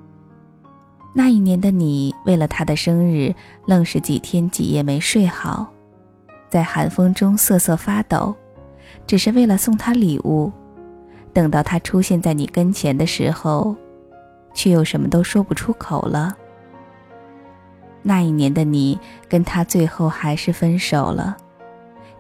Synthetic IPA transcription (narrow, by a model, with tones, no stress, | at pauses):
na˥˧i˥˩njɛ˧˥nd̪ə˧ni˨˩we˥˩ɪlə˩t̪ʰa˥d̪ə˨ʂɤ˥ŋɻɻ̩˥˩ | lɤ˥˧ŋʂɻ̩˧˩t͡ɕḭ˨˩t̪ʰjɛ˥nt͡ɕḭ˨˩jɛ˥˩me˧˥ɪʂwe˥˩ɪxɑ̰˨˩˦ʊ | t͡sa˥˩ɪxa˧˥nfɤ˥ŋʈ͡ʂʊ˥ŋsɤ˥˧sɤ˥˩fa˥t̪ɑ̰˨˩˦ʊ | ʈ͡ʂɻ̩˨˩ʂɻ̩˥˧we˥˩ɪlə˩sʊ˥˩ŋt̪ʰa˥lḭ˨˩ʔu˥˩ | t̪ɤ˨˩ŋt̪ɑ˥˩ʊt̪ʰa˥ʈ͡ʂʰu˥ɕjɛ˥˧nt͡sa˥˩ɪni˨˩kə˥nt͡ɕʰjɛ˧˥nd̪ə˧ʂɻ̩˧˥xo˥˧ʊ | t͡ɕʰɛ˥˩jo˨˩ʊʂə˧˥nmə˧t̪o˥ʊʂwɔ˥pu˨˩ʈ͡ʂʰu˥kʰo˨˩ʊlə˦ | na˥˧i˥˩njɛ˧˥nd̪ə˧ni˨˩˦kə˥nt̪ʰa˥t͡swe˥˧ɪxo˥˩ʊxa˧˥ɪʂɻ̩˥˩fə˥nʂo˨˩ʊlə̰˦